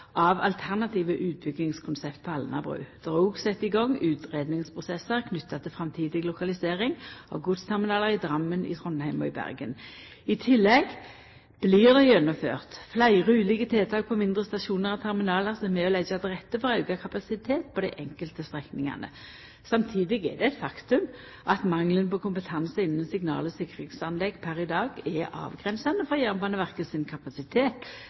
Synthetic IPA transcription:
ʔɑʋɑ̰lt̪ʰæʁnɑt̪ʰiːʋəʔʉːt̪̚bʏɡnɪŋskʰʊnsɛpt̪̚pʰɔɑlnɑ̰bʁʉ̰ːd̪̥ʁuːɡsɛt̪ːɪɡɔŋːʉːt̪ʁeːd̪nɪŋspʰʁʊsɛsəʁkʰnʏt̪ːɑt̪ʰɪlfʁɑmt̪ʰiːd̪ɪɡlʊkɑlɪseːʁɪŋɔ̰ɡʊt̪st̪ʰɛʁmɪnɑːləʁɪd̪ʁɑmːənɪ̰t̪ʰʁɔnːhæɪmɔ̰ɪbæ̰ʁɡən | ɪt̪ʰɪlːɛɡ | b̥lɪːʁd̪æɪjɛnːʊmfø̰ːʁt̪flæɪʁʉːlɪɡət̪ʰeːt̪ʰɑːɡ̚pʰɔmɪnd̪ʁəst̪ɑʃuːnəʁɑt̪ʰæʁmɪnɑːləʁsɛmɛɔlɛd͡ʒɑd̪əʁɛt̪ːəfɔʁɑʉɡɑkʰɑpɑsɪt̪ʰeːt̪̚pʰɔd̪æɪʔɛŋkəlt̪əst̪ʁɛknɪŋɑ̰nə̰ | sɑmt̪ʰiːd̪ɪɡɛ̰d̪ɛæɛt̪fɑkt̪ʉm | ʔɑt̪mɑŋlənpɔkʰʊmpət̪ʰɑnsəɪnːənsɪɡnɑ̰ːləsɪkːʁɪŋsɑnlɛɡpʰæɾɪd̪ɑːɡɛɑ̰ːʋɡʁɛnsɑnəfɔʁjæʁmpɑnəʋæʁkəsɪnkʰɑpɑsɪt̪ʰeːt̪

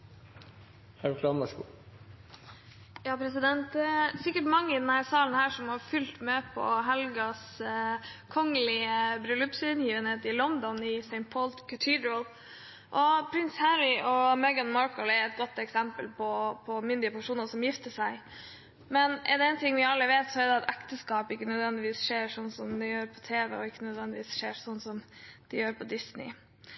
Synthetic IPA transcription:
hæɾkʰlɑːmɑsku | jɑːpʰɾɛsɪd̪ɛnt̪̚d̪ɛsɪkːəʈmɑŋːəɪd̪ɛnhæːɾsɑːlənəhæːʂɔmhɑɾfʉlt̪mɛpʰɔ̰ɦɛlɡɑs | kʰɔŋːəlɪəbɾʉlʉpsʉnjiːʋənheːt̪ɪlɔnd̪ɔnɪsɛɪnt̪̚pʰɔlt̪kʰət̪ʰid̪ɹəl | ʔɔpʰɾɪnshæɾɪʔɔmɛɡɑnmɑɹkəlɛɾɛt̪̚ɡɔt̪ːɛksɛmpəlpʰɔpʰɔmʏnd̪ɪəpʰæʂuːnɑʂɔmjɪft̪əʂæɪ | mɛnʔɛ̰d̪ɛɛnt̪ʰɪŋːʋɪɑlːəʋeːt̪sɔɛɾd̪ɛɑt̪ɛkt̪əskɑːpɪkːənœd̪ʋɛnd̪ɪʋiːsʂeːɾʂɔnːsɔmd̪ɛjøːɾpʰɔt̪ʰeːʋɛ̰ɔɪkːənœd̪ʋɛnd̪ɪʋiːsʂeːsɔnːsɔmd̪̥ɪjøːɾpʰɔd̪ɪsnɪ̰

